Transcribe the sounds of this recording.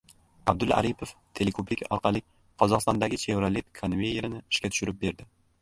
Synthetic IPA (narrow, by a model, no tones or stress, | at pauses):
ab̚d̪ʊla̰ɾipʰoft̪ʰe̞lekʰoplɪkʲɒ̰ɾqʰɑlˠɪ | qʰɒzɒʁqɨst̪ɒnd̪aɡʲɪt͡ʃʰe̞vɾalit̪kʰanvʲejeɾɪnɪɪ̥ʃkʲat̪ʰʊ̥ʃʊɾɪp̚be̞ɾd̪ɪ